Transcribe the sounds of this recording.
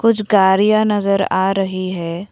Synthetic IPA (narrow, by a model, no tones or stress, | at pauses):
kʊt͡ʃʰɡaːɾijanɐzəɾa̰ːɾɐɦiɦɛː